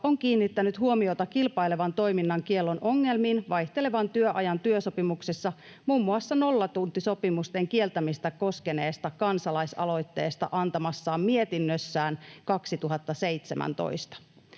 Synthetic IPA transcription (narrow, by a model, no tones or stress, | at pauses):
oŋk̟iːnːit̪ːænyt̪huomio̞t̪ɑkilpɑjle̞ʋɑnt̪o̞jminːɑŋkie̞lːo̞nʔo̞ŋːe̞lmiːnʋɑjht̪ele̞ʋɑnt̪yøʔɑjɑnt̪yøso̞pimuksesːɑ | mumːuɑsːɑno̞lːɑt̪unt̪iso̞pimust̪e̞ŋkie̞lt̪æmist̪æko̞ske̞ne̞ːst̪ɑkɑnsɑlɑjsɑ̰lo̞jt̪ːe̞ːst̪ɑ̰ʔɑnt̪ɑmɑsːɑːmmie̞t̪inːøsːæːnkɑksit̪uɦɑt̪ːɑse̞jt̪semæ̰nt̪o̰jst̪ɑ̥